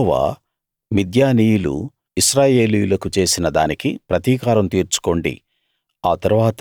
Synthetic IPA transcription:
ʋa̰ː | mid̪jaːniːjulṵ | iʃɾaːje̞ːlijulɐkut͡ʃe̞ːsinɐd̪aːnikipɾɐt̪iːkaːɾɐmt̪iːɾt͡ʃu̥ko̞ɳɖḭ | aːt̪ɐɾuʋaːt̪

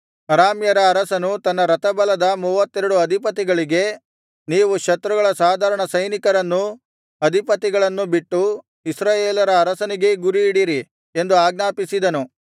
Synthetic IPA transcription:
ɐɾaːmjɐɾɐːɾɐsɐnut̪ɐnːɐɾɐt̪ɐbɐlɐd̪ɐmuːʋɐt̪ːɛɾɐɽuɐd̪ʱipɐt̪̬iɡɐɭiɡe̞ | niːʋukʃɐt̪ɾuɡɐɭɐsaːd̪ʱaːɾɐɳɐsɐjnikɐɾɐnːu | ɐd̪ʱipɐt̪iɡɐɭɐnːubiʈːu | isɾaːjeːlɐɾɐːɾɐsɐniɡe̞ɡuɾiːɽiɾi | end̪uaːɡnaːpisid̪ɐnu

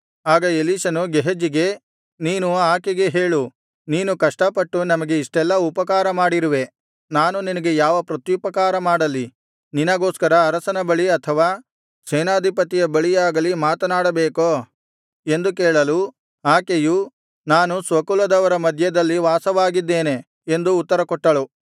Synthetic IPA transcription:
aːɡɐeliʃɐnuɡeɦed͡ʒiɡe̞ | niːnuaːkeɡe̞ɦeːɭu | niːnukɐʂʈɐpɐʈːunɐmɐɡe̞iʂʈɛlːɐupɐkaːɾɐmaːɽiɾuʋe̞ | naːnuninɐɡe̞jaːʋɐpɾɐt̪jupɐkaːɾɐmaːɽɐlːi | ninɐɡo̞ːskɐɾɐːɾɐsɐnɐbɐɭiɐt̪ʰɐʋaː | sɛːnaːd̪ʱipɐt̪ijɐbɐɭijaːɡɐlimaːt̪ɐnaːɽɐbeːkoː | e̞nd̪ukeːɭɐlu | aːkeju | naːnusʋɐkulɐd̪ɐʋɐɾɐmɐd̪ʱjɐd̪ɐlːiʋaːsɐʋaːɡid̪ːe̞ːne̞ | end̪uːt̪ːɐɾɐkɔʈːɐlu

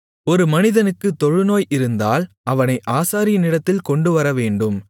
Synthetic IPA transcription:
ɔɾɯmɐnɪðɐnɯkːɯt̪ːɔɻɯnoːjʔɪɾɯnd̪aːl | ɐʋɐnɐɪʔaːsaːɾɪjnɪɽɐt̪ːɪlkɔɳɖɯʋɐɾɐʋeːɳɖɯm

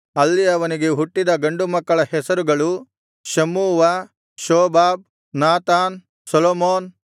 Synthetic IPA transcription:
ɐlːiɐʋɐniɡe̞ɦuʈːid̪ɐɡɐɳɖumɐkːɐɭɐhɛsɐɾuɡɐɭu | ʃɐmːuːʋɐ | ʃɔːbaːb̚ | naːt̪aːn | sɐlomoːn

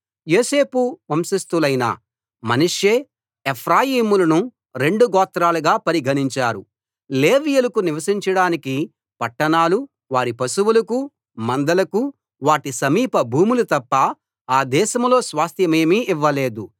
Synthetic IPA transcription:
jo̞ːse̞ːpuʋɐmsist̪ulɐjnɐ̰ | mɐnuʂjeː | epʰɾaːjiːmulɐnu | ɾe̞ɳɖuɡɔːt̪ːɾaːluɡaːpɐɾiɡʱɐniɲt͡ʃaːɾu | leːʋijulɐkuniʋɐsiɲt͡ʃɐɽaːniki | pɐʈːɐɳaːlu | ʋaːɾipɐsuwulɐku | mɐnd̪ɐlɐku | ʋaːʈisɐmiːpɐbʱuːmulut̪ɐpːɐ | aːd̪ɛːʃɐmlo̞ːsʋaːst̪ʰjɐme̞ːmiːʔiʋːɐle̞ːd̪u

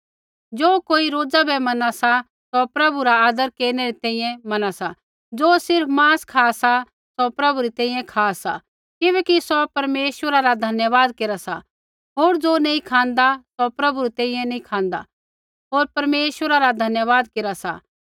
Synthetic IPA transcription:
d͡ʒoːkoːiɾoːd͡zabɛmɐnasa | sɔpɾɐbuɾaaːd̪əɾkeːɾnɛɾit̪ɛ̃ːĩjɛ̃mɐnasa | d͡zoːsɪɾpmãːskʰaːsa | sopɾɐbuɾit̪ɛ̃ːĩjɛ̃kʰaːsa | kɪβɛːkisɔpɐɾmeːʃwəɾaɾad̪ʱɐnjəʋaːd̪keːɾasa̰ | ɦoːɾd͡zoːnɐĩkʰãːnd̪asopɾɐbuɾit̪ɛ̃ːĩjɛ̃nĩkʰãːnd̪a̰ | ɦoːɾpɐɾmeːʃʋəɾaɾad̪ʱɐnjəʋaːd̪keːɾasa̰

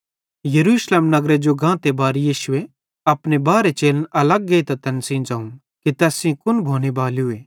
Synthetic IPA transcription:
jɐɾuːʃleːmnɐɡɾed͡ʒoɡãːt̪ebaːɾjiːʃʊe | ɐpnebaːɾet͡ʃeːlənɐlɐɡːɐit̪at̪ɐnsĩːnd͡ʒaːũ | kit̪ɛːsĩkʊnbʱoːnebaːliɦʊeː

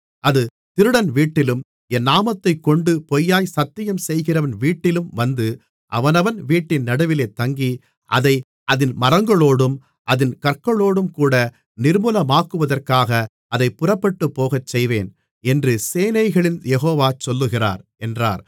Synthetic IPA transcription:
ʔɐðɯ | t̪ɪɾɯɽɐnʋiːʈːɪlɯm | ɛnːaːmɐt̪ːɐɪkːɔɳɖɯpɔjːaːjsɐt̪ːɪjɐmsɛjɣɪrɐʋɐnʋiːʈːɪlɯmʋɐnd̪ɯ | ʔɐʋɐnɐʋɐnʋiːʈːɪnnɐɽɐʋɪleːt̪ːɐŋɡi | ʔɐðɐɪ | ʔɐðɪnmɐɾɐŋɡɐɭoːɽɯm | ʔɐðɪnkɐɾkɐɭoːɽɯmkuːɽɐ | nɪɾmɯlɐmaːkɯʋɐðɐrkaːɣɐ | ɐðɐɪpːʊrɐpːɐʈːɯpːoːɣɐt͡ʃːɛjʋeːn | ɛndrɯseːnɐɪɣɐɭɪnjɛɣoːʋaːt͡ʃɔlːɯɣɪra̰ːɾɛndra̰ːɾ

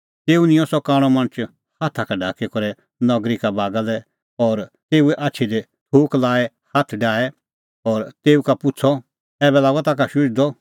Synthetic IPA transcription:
t̪eːunɪ̃jɔ̃sɔkaːɽ̃ɔ̃mɐ̃nət͡ʃ | haːt̪ʰakaɖʱaːkɛkɔɾɛ | nɔɡɾikabaːɡalɛ | ɔːɾt̪eːuɛʔaːt͡ʃʰid̪ɛ | tʰoːklaːɛ | haːt̪ʰɖaːɛ | ɔːɾt̪eːukapʊt͡sʰɔ | ɛːbɛlaːɡɔt̪ak̬aʃʊd͡ʒd̪ɔ

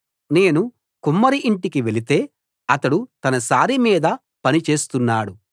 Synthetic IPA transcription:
ne̞ːnu | kumːɐɾiʔiɳʈikiʋe̞lit̪e̞ː | ɐt̪ɐɽut̪ɐnɐsaːɾimiːd̪ɐ | pɐnit͡ʃe̞ːst̪unːaːɽu

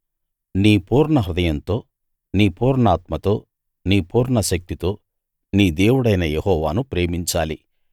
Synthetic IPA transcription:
niːpuːɾɳɐɦɾud̪ɐjɐnt̪o̞ː | niːpuːɾɳaːt̪mɐt̪o̞ː | niːpuːɾɳɐʃɐk̚t̪it̪o̞ː | niːd̪eːwuɽɐjnɐjehɔːʋaːnupɾe̞ːmiɲt͡ʃaːli

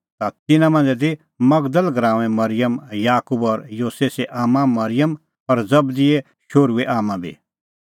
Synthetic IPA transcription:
t̪at̪ɪnãmɐ̃nd͡zɛd̪i | mɐɡd̪əlɡɾãːɛ̃mɐɾɪjəmjaːkubɔɾjoːseːseʔaːmãmɐɾɪjəm | ɐɾd͡zɐbd̪ɪɛ | ʃoːɾueʔaːmãbʱḭ

